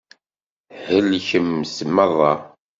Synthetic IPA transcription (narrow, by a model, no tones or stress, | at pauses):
həlçəmsəmːəðˤɑ